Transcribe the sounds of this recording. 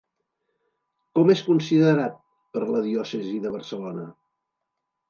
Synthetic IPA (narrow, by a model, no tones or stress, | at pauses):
kɔmeskunsiðəɾat̪̚ | pəɾləðiɔsəziðəβ̞ərsəlonə̰